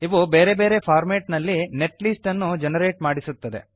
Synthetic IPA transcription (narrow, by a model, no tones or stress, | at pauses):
iʋube̞ːɾebe̞ːɾe̞pʰaːɾmeːʈnɐlːine̞ʈlisʈɐnːud͡ʒenɐɾeːʈmaːɽisut̪ːɐd̪e̞̰